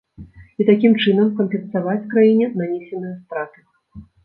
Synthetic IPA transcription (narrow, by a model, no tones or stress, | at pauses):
it̪akʲimt͡ʂɨnɐmkɐnpʲɛnsavat͡sʲkɾajinʲɛnanʲɛsʲɛnɨjɐst̪ɾat̪ɨ